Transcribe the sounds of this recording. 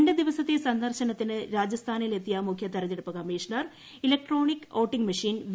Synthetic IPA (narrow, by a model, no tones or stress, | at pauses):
nded̪iʋɐsɐt̪ːesɐnd̪ɐrɕɐnɐt̪ːinɨɾaːd͡ʑɐst̪ʰaːnɐile̞t̪ːijɐmukʰjɐt̪ɐɾɐd͡ʑeɽupːɐkɐmiːʂɳɐr | ilɐk̚ʈroːɳikːoːʈːiŋɡmɐʂiːnʋ